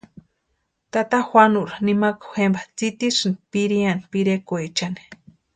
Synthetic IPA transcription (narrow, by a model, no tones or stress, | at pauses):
t̪at̪axwanuʔɾanimakaxembat͡sit̪isɨnipiɾianipiɾekoet͡ʃani̥